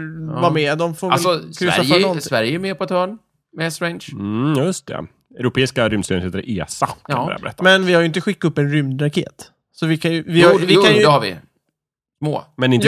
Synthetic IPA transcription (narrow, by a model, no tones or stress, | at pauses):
vamɛːd̪ɔmfoːɾvɛlsɔkʰɾɪafaɔsvæɾjɛəjmeːpʰɔɛt̪hœːɳ | mɛsɾɛnʃjɵst̪ʰɛ̰ | ɛɾʊpʰeːɪskaɾʏmd̪st̪yɾɛnheːt̪aɾ̰ʔeːsakʰa̰a̰bɾɛ̰t̪ːamɛnvɪhaɾjʏɪnt̪əɧɪkːaɵpːɛnɾʏmd̪ɾakʰḛːt̪ | sɔvɪkʰanjɵvɪhaɪajɛhavɪ̰ | smo̰ːmɛnɪn